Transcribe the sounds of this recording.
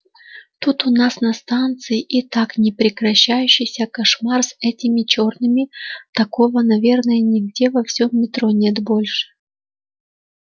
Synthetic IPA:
t̪ut̪ʊnasnɐst̪ant̪sɨjɪʔit̪aknʲɪpɾʲɪkɾɐɕːæjʉɕːɪjsʲəkɐʂmarsɛtʲɪmʲɪt͡ɕo̞rnɨmʲɪt̪ɐkovənɐvʲe̞rnəjənʲɪɡdʲe̞vɐfsʲomːʲɪt̪ɾonʲe̞t̪bolʲʂɨ̥

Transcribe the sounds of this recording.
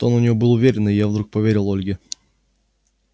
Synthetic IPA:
t̪onʊnʲɪvobɨlˠʊvʲeɾʲɪnɪjavd̪ɾuk̚pɐvʲeɾʲɪlˠolʲɡʲɪ

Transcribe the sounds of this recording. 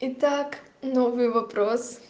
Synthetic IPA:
it̪ak | nɔvivɐpɾɔs

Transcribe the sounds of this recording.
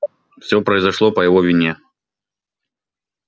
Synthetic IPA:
wsʲɔpɾɐjzaʂlˠɔpɐjavɔvʲinʲɛ

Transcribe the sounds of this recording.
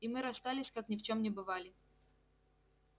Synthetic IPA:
imɨɾɐst̪alʲɪsʲkaknʲɪft͡ɕomnʲɪbɨvalʲɪ

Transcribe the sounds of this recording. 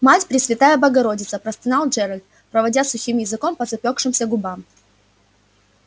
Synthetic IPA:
matʲpɾʲɪsvʲɪt̪ajəbɐɡɐɾo̞dʲɪt̪səpɾɐst̪ɨnalˠd͡ʒɛɾəlʲt̪ | pɾəvɐdʲasʊxʲimjɪzɨko̞mpɐzɐpʲo̞kʂɨmsʲəɡʊbam

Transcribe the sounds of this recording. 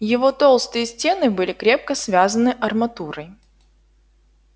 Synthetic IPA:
jɪvo̞t̪o̞lˠst̪ɨjəsʲtʲe̞nɨbɨlʲɪkɾʲe̞p̚kəsvʲazənɨʔɐrmɐt̪uɾəj

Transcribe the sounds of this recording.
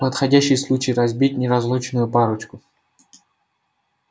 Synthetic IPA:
pət̪xɐdʲæɕːɪjslˠut͡ɕɪjɾɐzʲbʲitʲnʲɪɾɐzlˠut͡ɕnʊjʊpaɾʊt͡ɕkʊ

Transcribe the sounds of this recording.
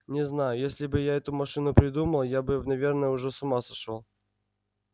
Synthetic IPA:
nʲɪznajʊjesʲlʲɪbɨjaɛt̪ʊmɐʂɨnʊpɾʲɪd̪uməlˠjabɨnɐvʲe̞rnəjəʊʐɛsʊmasɐʂolˠ

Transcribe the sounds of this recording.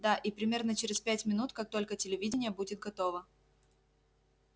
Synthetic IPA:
d̪aʔipɾʲɪmʲe̞rnət͡ɕɪɾʲɪspʲætʲmʲɪnut̪kak̚t̪o̞lʲkətʲɪlʲɪvʲidʲɪnʲɪjəbudʲɪt̪̚ɡɐt̪o̞və

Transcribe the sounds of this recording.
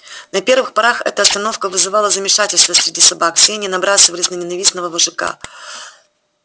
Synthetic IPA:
nɐpʲe̞rvɨxpɐɾaxɛ̰t̪əɐst̪ɐno̞fkəvɨzɨvalˠəzəmʲɪʂatʲɪlʲst̪vəsʲɾʲɪdʲisɐbaksʲenʲɪnɐbɾasɨvəlʲɪznənʲɪnɐvʲisnəvəvɨʐɨka̰

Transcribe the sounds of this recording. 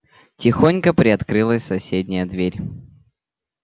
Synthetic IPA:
tʲɪxonʲkəpɾʲɪɐt̪kɾɨlˠəsʲsɐsʲedʲnʲɪjəd̪vʲeɾʲ

